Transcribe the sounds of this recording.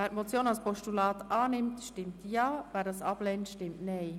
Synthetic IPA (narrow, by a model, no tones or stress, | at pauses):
væːtmot͡sjoːnɑlspɔʃtulɑːtʔɑːnɪmtʃtɪmtjɑːvæːɾdɑsɑb̥lɛːntʃtɪmtnɛɪ